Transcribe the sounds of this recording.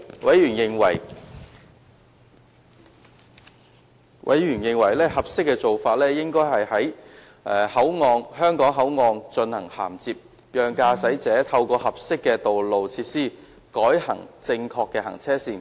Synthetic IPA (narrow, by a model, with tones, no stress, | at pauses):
wɐ˨˥jɥyː˨˩njɪ˨ŋwɐ̰˨˩j | wʔɐ̰˨˥jjyː˨˩njɪ˨ŋwɐ˨˩jlɛː˥hɐ˨p̚sɪ˥kːɛ˧t͡so˨wfaː˧t̚lɛː˥jɪ˥ŋkɔː˥jɦɐ˨jhɐ˨˥j | ʔɛ˨˧hɐ˨˥wŋɔː˨˧ŋɦœː˥ŋkɔː˨˥ŋɦɐ˨˥wŋɔː˨˧ŋt͡ʃɵ˧nhɐ̰˨˩ŋha̰ː˨˩mt͡siː˨p̚ | jœː˨ŋkaː˧sɐ˨˥jt͡sɛː˨˥t̪ʰɐ˧wkɔː˧hɐ˨p̚sɪ˥kːɛː˧t̪o˨wlo˨wt͡sʰiː˧t̚siː˥ | kɔː˨˥jhɐ̰˨˩ŋt͡sɪ˧ŋkʰɔː˧kːɛː˧hɐ̰˨˩ŋt͡sʰɛː˥siː˨n